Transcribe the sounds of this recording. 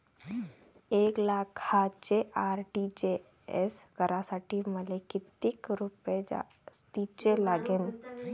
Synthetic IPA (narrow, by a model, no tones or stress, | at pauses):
eːklaːkhat͡ʃeʔaːɾʈid͡ʒe | ḛskəɾʔasaʈiməlekit̪ɪkɾuped͡ʒa̰ | st̪it͡ʃelaːɡen